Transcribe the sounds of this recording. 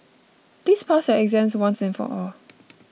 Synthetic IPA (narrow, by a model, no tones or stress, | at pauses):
pliːspʰasjəɛɡzɛ̃mswãnsɪ̃nfɔ̰ʔɔl